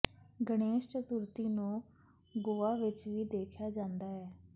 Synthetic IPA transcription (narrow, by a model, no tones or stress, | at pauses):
ɡəɽ̃eːʃt͡ʃət̪ʊɾt̪iːnũː | ɡoːaːʋɪt͡ʃʋiːd̪eːkʰjaːd͡ʒãːnd̪aːɦɛː